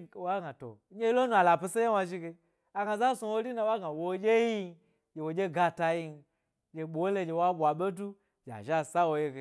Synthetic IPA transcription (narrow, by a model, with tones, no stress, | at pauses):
wa˦ɡa˨to̰˨˦ɲe˦lo˦nu˨a˨la˨pi˧se˦ja˦wa˧ʒi˦ɡe˧ | a˨ɡa˨za˦so˧wo˦ɾi˦na˧wa˦ɡa˨wo˨˦d͡ʒʲe˦ji˦ | d͡ʒʲe˨wo˨d͡ʒʲe˦ɡa˧ta˧ji˧n˨ | d͡ʒʲe˨ɓo˨˦le˧d͡ʒʲe˨wa˦bʷa˨ɓe˦du˦ | d͡ʒ̥a̰˨ʒa˦˨sa˦wo˦je˦ɡe˨